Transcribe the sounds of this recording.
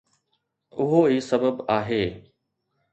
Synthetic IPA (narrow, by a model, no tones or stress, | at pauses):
ʊɦoːiːsəbəbaːɦeː